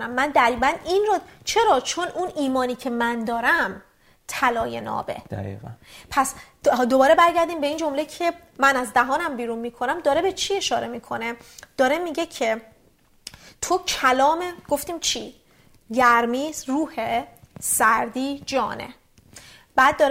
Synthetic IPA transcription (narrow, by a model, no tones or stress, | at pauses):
næmːænd̪æɣiːbæninɾɒt͡ʃʰe̞ɾɒːt͡ʃʰonuniːmɒːniːcʰe̞mænd̪ɒːɾæm | t̪ʰælɒːje̞̰nɒ̰ːbḛ | pʰæs | d̪obɒːɾe̞bæɾɟæɾd̪iːmbe̞ind͡ʒo̞mlecʰe̞ | mænæzd̪æɦɒːnæmbiːɾunmiːkʰonæmd̪ɒːɾe̞be̞t͡ʃʰie̞ʃɒːɾe̞miːkʰo̞ne̞d̪̥ɒːɾe̞miːɟecʰe̞ | t̪ʰocʰælɒːmeɡ̥o̞ft̪iːmt͡ʃʰi | ɟæɾmiːzɾuːhesæɾd̪iːd͡ʒɒ̰ːnḛ | b̥æːd̪̚ːɒːɾ